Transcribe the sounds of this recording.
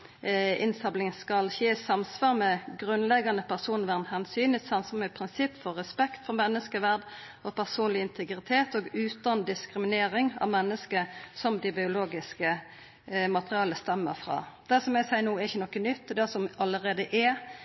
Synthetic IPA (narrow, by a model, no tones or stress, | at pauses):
ɪnsɑblɪŋskɑlçeːsɑmsʋɑːʁmɛɡʁʉnlɛɡɑnəpʰæʁsuːnʋæʁnhɛnsyːnɪsɑnsɔmɛpʰʁɪnsɪpːfɔʁːɛspɛkt̪fɔʁmɛnːəskəʋæʁd̪ | ɔpʰæʁsuːnlɪɪnt̪ʰəɡɾɪt̪ʰeːt̪oːɡʉːt̪ɑnd̪ɪskʁɪmɪneːɾɪŋɑ̰ʋmɛnːəskəsɔmd̪ɪbɪʊloːɡɪskə | mɑt̪əʁɪɑːləst̪ɛmːə̰ʁfʁɑ̰ːd̪̥æsɔmɛɡsæɪnuːɛʁɪçːənɔkːənʏt̪ːɔd̪æsɔmɑləɾʁeːd̪əʔɛ